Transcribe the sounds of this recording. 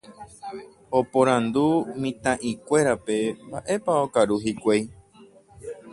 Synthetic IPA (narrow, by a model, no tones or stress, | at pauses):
o̞põɾãnd̪umĩt̪ãʔĩkʷe̞ɾape̞mbaʔe̞paokaɾuɦikʷej